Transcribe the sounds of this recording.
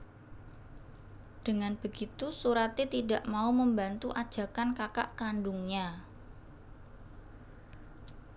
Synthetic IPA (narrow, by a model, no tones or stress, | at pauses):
d̥əŋanb̥əɡ̥it̪usuɾat̪et̪idaʔmauməmbant̪uʔad̥ʒ̥a̤kankakaʔkanɖuŋɲa